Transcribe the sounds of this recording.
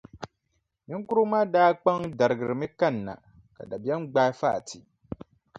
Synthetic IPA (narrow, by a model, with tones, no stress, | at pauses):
mi˦ŋ˦ku˦ɾu˦maː˦daː˦k͡pa˦ŋda˨ɾɨ˨ɡɨ˨ɾɨ˨mɨ˦ka˦˨n̩ː˨a̰˨ | ka̰˨da˨bɛ˦n˦ɡ͡baː˦fa̰ː˦˨tʰi˨